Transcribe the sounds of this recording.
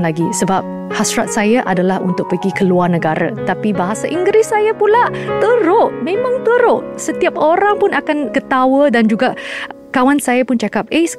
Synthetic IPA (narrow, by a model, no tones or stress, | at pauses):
nlaɡisəbap̚ | hasɾat̪̚sajaʔadalahṵnt̪ʊk̚pəɡikəluarnə̃ɡaɾa̰t̪apibaɦasaʔiŋɡɾɪsːajapulaʔt̪əɾʊʔmẽmãŋt̪əɾʊʔsət̪iap̚oɾaŋpʊnakankət̪awədand͡ʒuɡaʔ | kawansajapʊnt͡ʃakap̚ʔe